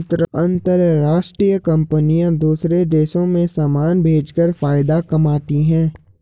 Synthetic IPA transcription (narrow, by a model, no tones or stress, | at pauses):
t̪ɾɐ̃nt̪əɾɾaːʃʈɾiːjəkɐ̃mpənijãd̪uːsɾed̪eːʃõmẽsaːmaːnbʱeːd͡ʒkəɾfaːɪd̪akɐmaːt̪iɦɛ̃ː